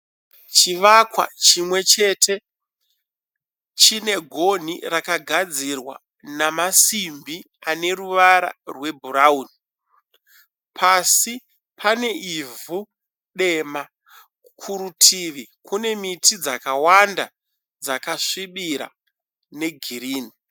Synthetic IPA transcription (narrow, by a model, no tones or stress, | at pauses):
t͡ʃiʋakwa̰t͡ʃimwe̞t͡ʃe̞tʰe̞ | t͡ʃine̞ɡʱo̞n̤irakaɡʱad͡zirwa̰ | namasimbi | ane̞ruʋaɾa̰rwe̞bʱuɾauni | pʰasi | pʰane̞ʔivu | ɗe̞ma | kʰuɾutʰiʋikune̞mitʰid͡zakawanda | d͡zakaʂiɓiɾa̰ | ne̞ɡʱiɾiːni